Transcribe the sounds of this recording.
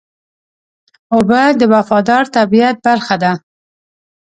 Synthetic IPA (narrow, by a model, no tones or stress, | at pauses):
ʊbad̪əwafɑd̪ɑɾt̪abijat̪̚baɾxad̪a